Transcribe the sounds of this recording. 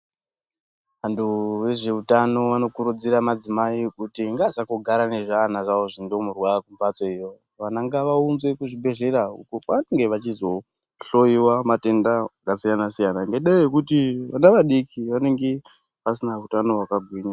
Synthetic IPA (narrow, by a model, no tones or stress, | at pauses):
ʋantuʋe̞ʐe̞utano̞ʋano̞kuɾud͡ziɾamad͡zimaikutiŋɡasakuɡʱaɾane̞ʐaːnaʐao̞ʐindo̞murwakumvat͡soijo | ʋanaŋɡaʋaunzwe̞kuʐibʱe̞ʐe̞raṵkopaʋane̞ŋɡe̞ʋat͡ʃizo̞ | ɬo̞jiwamate̞ndakasijanasijanaŋɡeɗaeekutianaʋaɗikʰiʋane̞ŋɡe̞ | pas̬inautano̞ɦwakaɡʱweːɲa